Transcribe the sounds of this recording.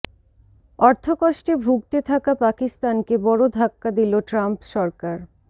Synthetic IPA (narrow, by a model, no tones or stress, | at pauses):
ɔɾt̪ʰokɔʃʈebʱuɡ̚t̪et̪ʰakapakist̪ankebɔɽod̪ʱakːad̪iloʈɾampʃɔɾkaɾ